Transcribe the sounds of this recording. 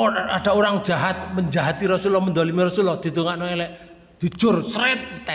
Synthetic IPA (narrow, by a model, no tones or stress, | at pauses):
a̰ɖ̥a̤uɾaŋ̥d͡ʒ̥aɦat̪̚məɲd͡ʒaɦat̪iɾɔsulɔmənd̪olimiɾɔsulɔd̪̥i̤t̪uŋaʔnɔɛlɛʔ | d̪̥i̤̥ʒ̥ʊrsɾɛt̪̚ət̪ɛ